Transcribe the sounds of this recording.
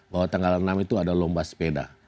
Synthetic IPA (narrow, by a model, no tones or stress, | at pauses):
baɦwat̪aŋɡalənamit̪uadalɔmbaspeda̰